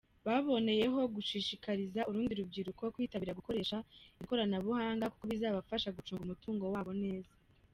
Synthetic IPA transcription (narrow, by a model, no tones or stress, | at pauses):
βaβo̞ne̞je̞ɦo̞ɡuʃiːʃikaɾizauɾuːndiɾub̚ɡiːɾukookwiːtaβiːɾaɡuko̞ɾe̞ːʃaiko̞ɾanaβuhaːŋɡakukoβizaːβafaʃaɡut͡ʃuːŋɡumutuːŋɡo̞waːβo̞ne̞ːza